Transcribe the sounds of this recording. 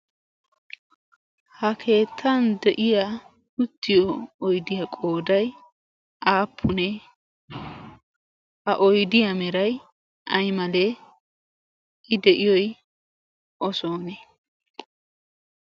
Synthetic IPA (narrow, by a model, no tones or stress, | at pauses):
hɐkʰe̞ːt̪ʰːɐnd̪ɛʔɪja | ʊt̪ːɪjɔːjd̪ɪjɐkʼo̞ːd̪ɐj | ʔaːpʰːʊnɛ | hɐʔɔjd̪ɪjɐmɛɾɐj | ʔɐjmɐle | ɪd̪ɛʔɪjɔj | ʔɔso̞ːnɛ